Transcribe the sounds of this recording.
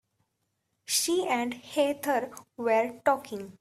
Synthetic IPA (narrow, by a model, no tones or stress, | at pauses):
ʃiːɛ̃ɳɖheːt̪ʰəɾʋeɾʈɔːkɪ̃ŋɡ